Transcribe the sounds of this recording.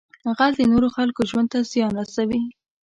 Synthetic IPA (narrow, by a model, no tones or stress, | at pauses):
ɣazd̪ənoɾoxalkoʒwand̪̚t̪azjɑnɾasawi